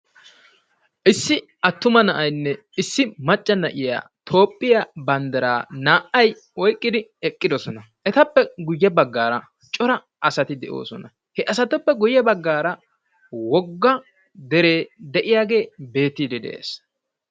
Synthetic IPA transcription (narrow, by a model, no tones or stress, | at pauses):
ʔɪsːɪ | ɐt̪ːʊmɐnɐʔɐjnːɛ | ɪsːɪmɐt͡ʃʼːɐnɐʔɪja̰ːt̪ʰo̞ːpʼːɪjabɐnd̪ɐɾaːnaːʔɐj | ɔjkʼːɪd̪ɪɛkʼːɪd̪ɔsɔnɐ | ʔɛt̪ɐpːɛɡʊjːɐbɐɡːaːɾɐ | t͡ʃʼɔɾɐ | ʔɐsɐt̪ɪd̪ɛʔo̞̰ːsɔnɐ | hɛʔɐsɐt̪ɔpːɛɡʊjːɐbɐɡːaːɾɐ | wɔɡːɐ | d̪ɛɾeːd̪ɛʔɪjaːɡe̞ːbe̞ːt̪ːiːd̪ɛd̪ɛ̰ʔḛːs